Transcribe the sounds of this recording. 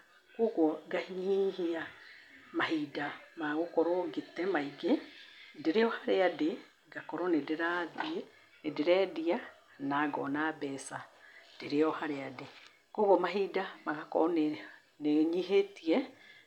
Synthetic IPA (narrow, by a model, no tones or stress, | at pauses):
koɣoɡahiɲihia | maɦidamaɣokɔɾoɡetɛmaiɡedeɾeɔhaɾeade | ɡakɔɾɔnedeɾaðie | nedeɾɛdia | naɡɔ̰nabɛsad̥eɾeɔhaɾeade | koɣomaɦidamaɣakɔɔ | neɲiɦetiɛ